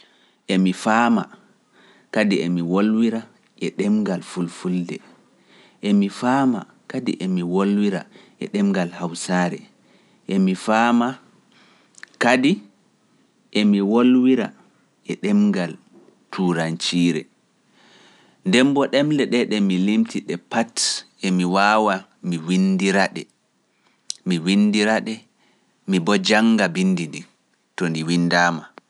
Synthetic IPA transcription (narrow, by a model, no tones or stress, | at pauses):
ʔemifaːma̰ | kadiemiwolwiɾa | ʔɛɗɛmŋɡalfulfuldɛ̰ | ʔemifama̰ | kadḭʔemiwolwiɾa̰ʔɛ̰ɗɛmŋɡalhawsaɾɛ̰ | ʔemifama | kadi | ʔemiwolwiɾa̰ | ʔɛɗɛmɡal | tʰuːɾant͡ʃiːɾɛ̰ | ndɛmbɔɗɛmlɛɗɛɗɛmilimtiɗɛpat | emiwaːwa | miwindiɾaɗɛ | miwinːdiɾaɗɛ | mibɔd͡ʒaŋɡabinːdidi | tɔndiwinːdaːma